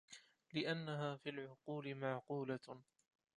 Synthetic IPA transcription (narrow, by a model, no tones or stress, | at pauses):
lɪʔanːaɦaːfiːlʕʊquːlɪmaʕquːla